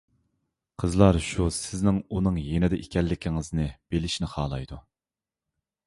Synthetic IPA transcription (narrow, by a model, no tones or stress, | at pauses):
qʰəzlˠɑɾʃusɪznɪŋunɨŋjenɪd̪ɛʔekʲʰɛlːɪkʲʰiŋɪznɪb̥elɪʃnɪχɑːlˠɑjd̪u